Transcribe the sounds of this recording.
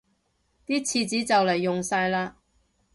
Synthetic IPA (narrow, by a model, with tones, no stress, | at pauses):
t̪iː˥t͡sʰiː˧t͡siː˨˥t͡sɐ˨wle˨˩jːʊ˨ŋsaː˧jlaː˧